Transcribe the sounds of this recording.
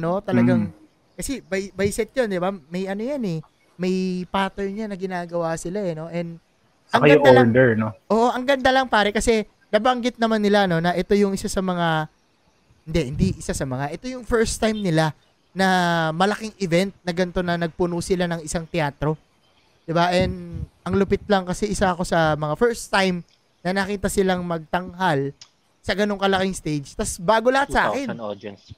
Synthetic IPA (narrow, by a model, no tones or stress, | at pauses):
no̞t̪ɐlɐɡaŋ | kɐsɛbɐjbɐjsɛt̪̚jond̪ɪbamɐjʔɐnojanɛ | mɐjpaːt̪ɛjnjanɐɡɪnaːɡɐwasɪlaɛno̞ʔɛnd̪ | ʔɐŋɐjɡʊaoad̪ɛɹnoʔoːʔoʔɐŋɡɐnd̪alɐŋpaːɾɛkɐsɛ | nɐbɐŋɡɪt̪̚nɐmanːɪlano̞nɐʔɛt̪o̞jʊŋʔɪsasɐmɐŋa | hɪnd̪ɛhɪnd̪iʔɪsasɐmɐŋaʔɛt̪o̞jʊŋfɛɹst̪ajmnɪla | nɐmɐlɐkɪŋʔɪvɛnt̪̚nɐɡɐnt̪o̞nɐnɐɡ̚pʊnuːsɪlanɐŋɪsaŋt̪ɛaːt̪ɾo̞ | d̪̥ɪbaʔɛnʔɐŋlʊpɪt̪̚lɐŋkɐsɛʔɪsaɐko̞sɐmɐŋafɛɹst̪ajm | nɐnɐkiːt̪ɐsɪlaŋmɐɡ̚t̪ɐŋɦal | sɐɡɐno̞ŋkɐlɐkɪŋst̪ejd͡ʒt̪ɐsbaːɡo̞lɐhat̪sa̰ːkɛn̰